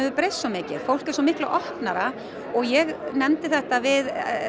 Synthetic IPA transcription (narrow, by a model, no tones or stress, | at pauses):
ðʏpɾejsːɔmɪːcɪ̰ð̥fowl̥kɛɾ̥sɔmɪhklaʔɔhpnaɾa | ɔɣjɛɣnɛmt̪ɪθɛht̪avɪð